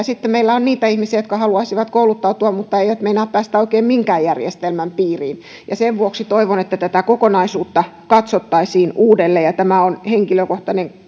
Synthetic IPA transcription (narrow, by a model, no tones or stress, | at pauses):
sit̪ːemeilːæonniːt̪æihmisiæjot̪kɑhɑluɑisiʋɑt̪koulut̪ːɑut̪uɑmmut̪ːɑeioæt̪meinæːppæːst̪æoikeːmmiŋkæːjjærjḛst̪elmæmpiːrḭːn | jɑseʋʋuoksit̪oiʋonet̪ːæt̪æt̪ækokonɑisuːt̪ːɑ | kɑt̪sot̪ːɑisiːnuːdelːejɑt̪æmæonheŋkiløkoht̪ɑneŋ